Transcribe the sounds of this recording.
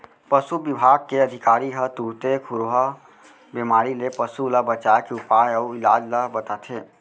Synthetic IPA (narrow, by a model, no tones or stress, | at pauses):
pəsubɪbʱaːɡ̚keəd̪ʱɪkaːɾiɦət̪uɾt̪ekʰʊɾoɦa | bemaːɾilepəsulabət͡ʃaːjkeʊpaːjɔːɪlaːd͡ʒlabət̪at̪ʰeː